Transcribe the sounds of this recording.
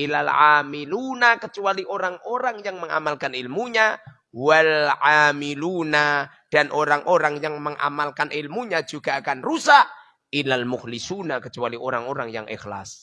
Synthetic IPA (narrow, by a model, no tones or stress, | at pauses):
ʔilalʕamilunakət͡ʃualiʔoɾaŋoɾaŋjaŋməŋa̰malkanilmuɲa | walʕamiluna | d̥anʔoɾaŋʔoɾaŋjaŋməŋʔa̰malkanʔilmuɲad͡ʒuɡaːkanrusaʔ | ʔilalmʊhlisunakət͡ʃualiʔoɾaŋoɾaŋja̰ŋʔḭxla̰s